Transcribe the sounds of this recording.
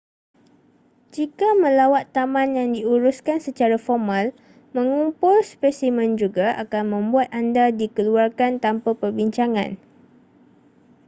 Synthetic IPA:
d͡ʒikamə̃lawat̪ːamãnjaŋdiuɾuskansət͡ʃaɾafɔrmãl | mə̃ŋumpʊlspɛsimə̃nd͡ʒuɡaʔakanmə̃mbuat̪andadikəluarkant̪ampapərbiɲt͡ʃaŋã̰n

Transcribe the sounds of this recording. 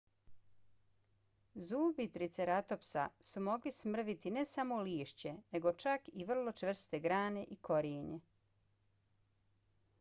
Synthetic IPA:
zuːbit̪ɾit̪seɾat̪o̞psa̰sumo̞ɡlismr̩ʋit̪ine̞samo̞liːʃt͡ɕe̞ne̞ɡo̞t͡ʃakiʋr̩lo̞t͡ʃʋr̩st̪eɡɾaːne̞ʔiko̞ɾiːɲe

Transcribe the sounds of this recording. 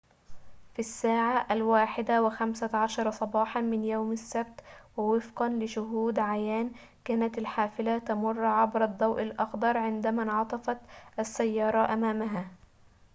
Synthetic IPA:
fisːaːʕaʔalwaːħɪd̪awɪxamsaʕɑʃɑɾˤɑsˤɑbɑːħɑnmɪnjowmasːab̚t̪wɪwɪfqɑnlɪʃʊɦuːd̪ʕajaːn | kaːnat̪ɪlħaːfɪlat̪ɑmʊrˤːʕabɾɑd̪ˤːɑwʔɪlʔɑxd̪ɑɾˤʕɪnd̪æmaʕɑt̪ˤɑfɑt̪ʔasːajːɑːɾˤɑʔamaːmaɦaː

